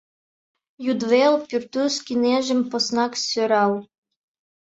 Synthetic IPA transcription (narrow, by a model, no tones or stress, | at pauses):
jud̪velpʲyrt̪uskʲineʒɘ̆mposnɑksøɾɑlˠ